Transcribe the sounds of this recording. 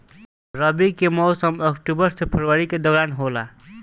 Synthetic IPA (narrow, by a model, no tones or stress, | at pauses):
ɾʌbikemɔwsʌmʌkʈubʌɾsepʰʌɾwəɾiked̪ʌɾanɦola